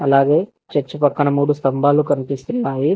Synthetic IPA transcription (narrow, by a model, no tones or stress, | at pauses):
ɐlaːɡe̞ː | t͡ʃɐɾt͡ʃːupɐkːɐɳɐmuːɽust̪ɐmbʱaːlukɐnipist̪unːaːji